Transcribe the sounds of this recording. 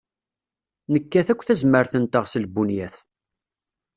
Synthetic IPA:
nəkːæθækʷːθæzməɾθənt̪əʁsəlbunjæθ

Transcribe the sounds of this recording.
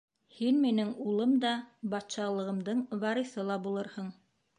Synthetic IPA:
hinminɘŋulˠɤmd̪ɑbɑt̪ʃɑlˠɤ̆ʁɤ̆md̪ɤɴvɑɾɤ̆θɤlˠɑbulˠɤɾhɤɴ

